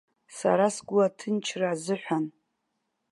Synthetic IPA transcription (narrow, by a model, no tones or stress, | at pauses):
sa̰ɾasɡʷʊatʰɨnt͡ʃʰrazɨħʷᶣan